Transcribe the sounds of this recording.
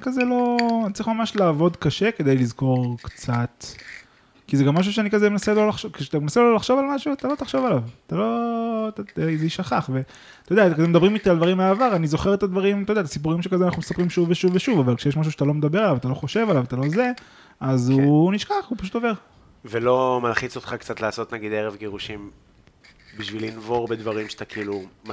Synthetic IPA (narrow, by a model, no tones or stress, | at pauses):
kazelo̞ntt͡sʁiχmamaʃlaːvo̞d̪kaʃe̞ke̞d̪ejlizko̞ʁkt͡sat̪ | kizeɡamːaʃ̬uʃ̬eanikazemenaselo̞laχʃoke̥ʃeat̪amenaselolaχʃo̞valmaʃuat̪alo̞t̪aχʃo̞valavt̪alo̞tazeiʃaχaχve̞ | t̪od̪eakemed̪abʁimit̪iald̪vaʁimleaːvaʁanizo̞χe̞ʁet̪ad̪vaʁimt̪ojd̪eat̪asip̬uʁimʃekazeanaχnumesapʁimʃuvːeʃuveʃuvavalkʃejeʃmaʃ̬uʃat̪alo̞med̪abe̞ʁalavat̪aloχo̞ʃe̞valavat̪alo̞ze̞ | azuniʃkaχupaʃut̪o̞ve̞ʁ | velo̞malχit͡sot̪χakt͡sat̪laːso̞t̪naɡid̪eʁevɡeʁuʃim | biʃvilinvo̞ʁbed̪vaʁimʃat̪akiilu